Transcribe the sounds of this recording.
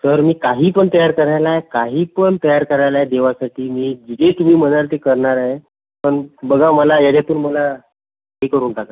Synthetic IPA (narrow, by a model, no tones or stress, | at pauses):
səɾmiːkaɦiːpəɳt̪əjaɾkəɾajlaekaɦiːpəɳt̪əjaɾkəɾajlaɦed̪eʋasaʈiːmiːd͡ʑid͡zet̪um̤iːm̤əñalt̪ekəɾɳaɾaɦe | pəɳbəɡʱaməlajad͡ʑat̪uːnməla | ɦiːkəɾuːnʈaka